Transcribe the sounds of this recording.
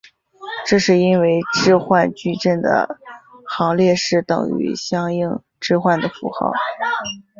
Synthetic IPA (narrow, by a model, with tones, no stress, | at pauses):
ʈ͡ʂɤ˥˧ʂɻ̩˥˧i˥nwe˧˥˩ɪʈ͡ʂɻ̩˥˧xwa˥˧nt͡ɕy˥˧ʈ͡ʂə˥˩nd̪ə̰˩xɑ˧˥ŋljɛ˥˧ʂɻ̩˥˩t̪ɤ̰˨˩ŋy̰˧˥ɕjɑ˥ŋi˥˧ŋ | ʈ͡ʂɻ̩˥˧xwa˥˩nd̪ə˩fṵ˧˥xɑ̰˥˩ʊ